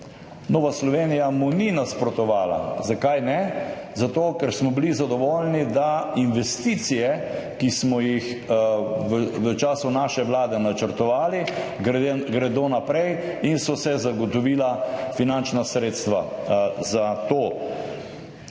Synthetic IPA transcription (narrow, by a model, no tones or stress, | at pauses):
noːʋaslɔʋeːnijamuninaspɾɔt̪ɔʋaːla̰zakajnɛzat̪oːkɛɾsmɔbilizad̪ɔʋɔːlnid̪ainʋɛst̪iːt̪sijɛkismɔjix | ʋəʋət͡ʃaːsunaːʃɛʋlaːd̪ɛnat͡ʃəɾt̪ɔʋaːli | ɡɾɛd̪onapɾɛj | insɔsɛzaɡɔt̪ɔʋiːlafinant͡ʃnasɾeːt̪st̪ʋazat̪oː